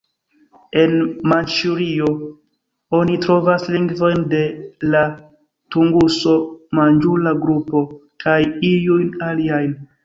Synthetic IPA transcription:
e̞nmant͡ʃuɾio | o̞nitɾo̞vasliŋɡvo̞jnde̞la | tuŋɡuso̞mand͡ʒulaɡɾupo̞kʰajiujnaliajn

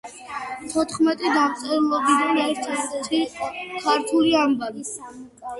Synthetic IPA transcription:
t̪ʰɔt̪ʰχmɛt̪ʼid̪amt̪sʼɛɾlˠɔbid̪anɛɾt̪ʰɛt̪ɛt̪ikʰaɾt̪ʰuliambavis

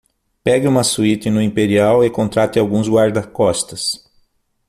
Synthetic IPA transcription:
pɛɡɪũmɐsuit̪ɪnʊĩpeɾiawɪkõnt̪ɾat̪ɪawɡũzɡwaɾd̪ɐkɔst̪ɐs

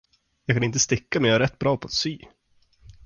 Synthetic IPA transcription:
jɑːɡkʰanɪnt̪̬əst̪ɪkːamɛnjaœːɾɛt̪ːbɾɑːpʰɔat̪syː

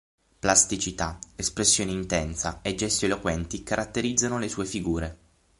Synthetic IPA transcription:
plast̪it͡ʃit̪aespɾesːjoːneint̪ɛnsaed͡ʒːɛst̪ielokwɛnt̪ikaɾʔat̪ːeɾid̪zːanolesuːefiɡuːɾe

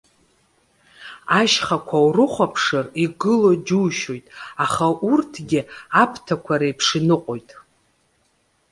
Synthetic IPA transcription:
aʃχakʷʰawrɨχʷapʰʂɨriɡɨlod͡ʒuːʃo̞jtʼaχaʔurtʰɡʲɪapʰtʰakʷʰaɾajpʰʂinɨqʼojtʼ

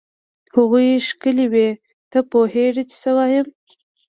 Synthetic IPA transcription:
haɣujʃkəliwe | t̪əpoheʐit͡ʃɪ̥səwɑjəm

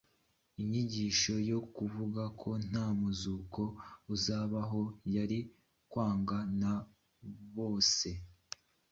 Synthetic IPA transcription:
iɲiɟiʃo̞jo̞kuvuɡakʰo̞n̥haːmuzuko̞uzaːβaɦo̞jaɾi | kwaːŋɡana | βo̞ːse̞

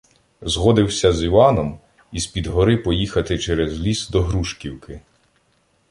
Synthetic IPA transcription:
zɦɔd̪ɪwsʲɐziʋɑnɔm | ispʲid̪ɦɔɾɪpɔjixɐt̪ɪt͡ʃɛɾɛzlʲisd̪ɔɦɾuʃkʲiwkɪ

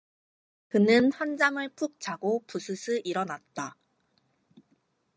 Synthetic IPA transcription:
kɯnɯnhwand͡ʑaŋɯɭpʰuk̚t͡ɕ͈aɡopusʰɯsʰɯʔiɾʌnat̚t͈a

